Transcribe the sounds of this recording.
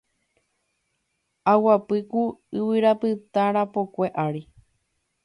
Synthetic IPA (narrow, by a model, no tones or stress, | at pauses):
awapɨkuɨwɨɾapɨt̪aɾapokʷe̞ʔaɾi